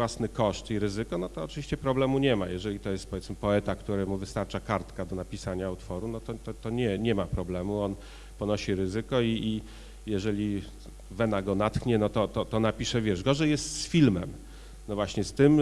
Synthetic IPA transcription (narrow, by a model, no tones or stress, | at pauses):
wasnɘkɔʂt̪iɾɘzɘkɔnɔt̪ɔːt͡ʂɨvʲiɕt͡ɕɛpɾɔblɛmuɲɛma̰jɛʐɛlʲit̪ɔjɛst̪̚pɔvʲjɛt̪smɘpɔɛt̪akt̪uɾɛmuvɘst̪aɾt͡ʂakaɾt̪kad̪ɔnapʲisaɲaut̪fɔɾunɔt̪ɔt̪ɔt̪ɔɲɛɲɛmapɾɔblɛmuɔn | pɔnɔɕiɾɘzɘkɔiː | jɛʐɛlʲi | vɛnaɡɔnat̪xɲɛnɔt̪ɔt̪ɔt̪ɔnapʲiʂɛvʲjɛʐɡɔʐɛjɛst̪sfʲilmɛm | nɔvwaɕɲɛst̪ɘm